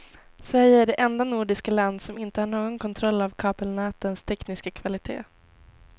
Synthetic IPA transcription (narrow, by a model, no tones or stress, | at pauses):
svæɾjəæɖɛʔɛnd̪anuːɖɪskaland̪sɔmɪnt̪əhaːɳoːɡɔnkʰɔnt̪ʰɾɔlːavkʰɑːpəlnæːt̪ənst̪ʰɛknɪskakʰvalɪt̪ʰḛː